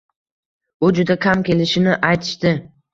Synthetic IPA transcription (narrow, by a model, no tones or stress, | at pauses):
ʊd͡ʒʊd̪akʲʰamkʲe̞lɪʃɪnɪʔajt̪ʰɪ̥ʃt̪ɪ